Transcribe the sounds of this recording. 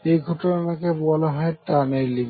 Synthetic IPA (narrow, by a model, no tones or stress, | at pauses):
ejɡʱɔʈonanakebɔlaɦɔeʈanejliɡ